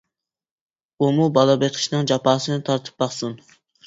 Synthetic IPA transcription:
umubɑlˠɑbeqʰɪ̥ʃnɨŋd͡ʒɑpʰɑːsɨnɨt̪ʰɑɾt̪ʰɨ̥p̚bɑχsun

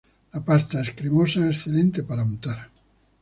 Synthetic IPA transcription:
lapast̪aɛskɾimosaesθelɛnt̪epaɾamut̪aɾ

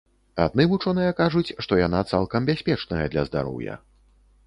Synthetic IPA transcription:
ad̪̚nɨvut͡ʂɔnɨjɐkaʐut͡sʲʂt̪ɔjan̪at̪salˠkɐmbʲasʲpʲɛt͡ʂnɐjɐd̪lʲɐzd̪a̰ɾɔ̰wjɐ̰

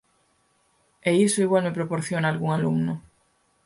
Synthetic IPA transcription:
eisʊiɣwalmɪpɾopoɾθjonaːlɣuŋalumnʊ

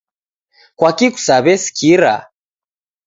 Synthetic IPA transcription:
kwakiku̥saβɛsi̥kʰiɾa̰

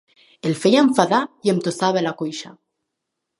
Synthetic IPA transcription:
elfejaeɱfaðajemt̪osaβaelakojʃa

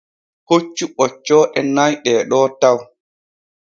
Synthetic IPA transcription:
hot͡ʃːuɓɔt͡ʃːɔːʔɛnajɗɛːɗɔːtaw

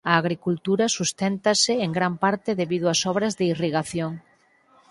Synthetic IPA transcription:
ɐːɣɾikult̪uɾɐsust̪ɛnt̪ɐsɪeŋɡɾampaɾt̪ɪðeβiðʊɐsɔβ̞ɾɐzðɪiriɣaθjoŋ

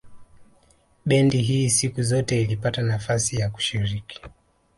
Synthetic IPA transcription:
ɓɛndiɦiːsikuzɔtɛilipatanafasijaku̥ʃiɾiki̥

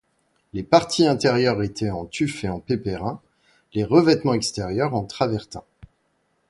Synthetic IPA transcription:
lepaʁt̪ʰiɛ̃t̪ɛʁjœʁet̪ʰɛɑ̃t̪yfeɑ̃pepeʁɛ̃ | leʁəvɛt̪mɑ̃ɛkst̪ɛʁjœʁɑ̃t̪χavɛʁt̪ɛ̃

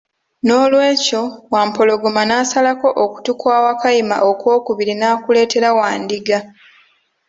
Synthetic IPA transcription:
no̞ːlwe̞ːco̞waːmpo̞lo̞ɡomanaːsalako̞ʔoku̥tukwaːwakajima̰ʔokwo̞ːkuβiɾinaːkule̞ːte̞ɾawaːndiɡa

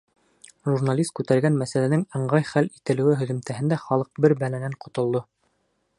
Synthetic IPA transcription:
ʒurnalʲist̪̚kʉt̪æɾɡænmæsælænɘŋɤ̆ɴɢɑjχælit̪ɘ̆lɘ̆wɘɦɵ̆ðɘ̆mt̪æɦɘ̆nd̪æχɑlˠɤq̚bɘɾbælænæɴqŏt̪ŏlˠd̪o

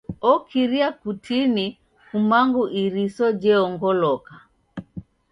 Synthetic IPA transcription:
ɔkʰiɾiakutʰini | kumaŋɡuʔiɾisɔd͡ʒɛɔŋɡɔlɔka

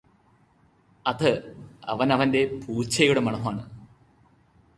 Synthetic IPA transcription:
ɐðɨɐ̰ʋɐnɐʋɐnde̞puːt͡ɕʰɐjuɽemɐɳɐɦaːɳɨ

